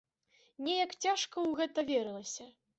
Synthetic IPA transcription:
nʲɛjɐkt͡sʲaʂkɐwɣɛt̪ɐvʲɛɾɨlˠɐsʲɐ

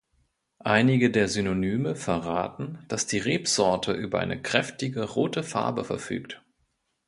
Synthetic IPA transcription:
ʔaɪnɪɡədeːɐzynonyːməfɛɐʁaːtn̩d̥asd̥iːʁeːpz̥ɔɐtʰəʔyːbɐʔaɪnəkʁ̥ɛftɪɡəʁoːtəfa̰ɐbəfɛɐfy̰ːkt

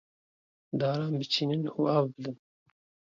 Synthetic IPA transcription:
d̪ɑːɾɑːnbɨt͡ʃʰiːnɨnṵːɑːwbɨd̪ɨn

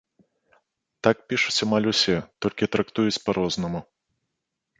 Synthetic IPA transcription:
t̪ak̚pʲiʂut͡sʲamalʲusʲɛt̪ɔlʲkʲit̪ɾɐkt̪ujut͡sʲpɐɾʔɔznɐmu

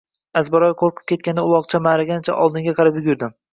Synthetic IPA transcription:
azbaɾɒjqʰoɾqʰɨ̥p̚kʲʰe̞t̪̚kʲand̪aʊlˠɒq̚t͡ʃʰamaɾaɡʲant͡ʃʰa̰ʔɒlˠd̪ɪŋɡʲaqʰɑɾapjʊɡʲɪɾd̪ɪm

